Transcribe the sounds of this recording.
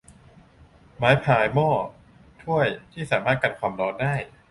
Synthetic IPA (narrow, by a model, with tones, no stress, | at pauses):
maː˩˦jpʰaː˨˩jmɔː˥˩ | t̪ʰu˥˩əjt̪ʰiː˥˩sa̰ː˩˦maː˥˩t̪̚ka˧nkʰwaː˧mɾɔː˦˥ndaː˥˩j